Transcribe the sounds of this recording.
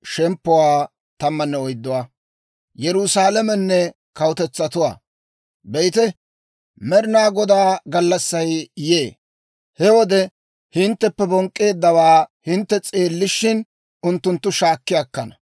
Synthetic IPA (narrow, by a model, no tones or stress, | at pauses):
ʃɛmpːʊwaː | t̪ɐmːɐnːɛɔjd̪ːʊwaː | jɛɾʊsaːlɐmɛnːɛ | kɐwʊt̪ɛt͡sːɐt̪ʊwa̰ː | bɛjt̪ɛ | mɛɾɪnaːɡɔd̪aːɡɐlːɐsːɐjjeː | hɛwɔd̪ɛ | hɪnt̪ːɛpːɛbɔŋkʼːe̞ːd̪ːɐwaːhɪnt̪ːɛt͡sʼe̞ːlːɪʃːɪn | ʊnt̪ːʊnt̪ːʊʃaːkːɪjaːkːɐnɐ